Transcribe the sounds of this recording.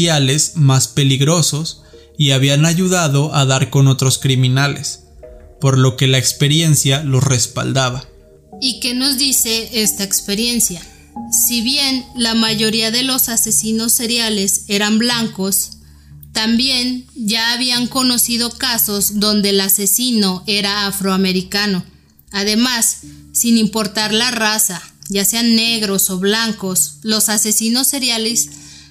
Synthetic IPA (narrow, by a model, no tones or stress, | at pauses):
ale̞smaspe̞liɣɾo̞so̞s | iaβianaʝuðaðo̞ʔaðaɾko̞no̞t̪ɾo̞skɾimĩnalḛs | po̞ɾlo̞ke̞laekspe̞ɾje̞nsjalo̞sre̞spa̰ld̪aβa | ike̞no̞zðise̞ʔest̪aekspe̞ɾje̞nsja | siβje̞nlamaʝo̞ɾiaðe̞lo̞sase̞sino̞sːe̞ɾjale̞se̞ɾamblaŋko̞s | t̪ambje̞nɟ͡ʝaːβiaŋko̞no̞sið̞o̞kaso̞zðo̞nd̪e̞lase̞sino̞ʔe̞ɾaːfɾo̞ame̞ɾikano̞ | að̞e̞masː | inimpo̞ɾt̪aɾlarasaʝase̞anːe̞ɣɾo̞so̞βlaŋkoslo̞sase̞sino̞sːe̞ɾjale̞s